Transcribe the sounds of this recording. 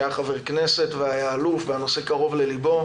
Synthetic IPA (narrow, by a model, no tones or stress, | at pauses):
aχave̞ʁkne̞se̞t̪veajaːlufveano̞se̞kaʁo̞vle̞libo̞